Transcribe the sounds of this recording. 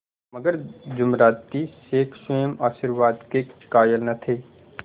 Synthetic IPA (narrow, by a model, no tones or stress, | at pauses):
mɐɡəɾd͡ʒʊmɾaːt̪iseːkʰsəjəmaːʃiɾʋaːd̪kekaːjəlnɐt̪ʰeː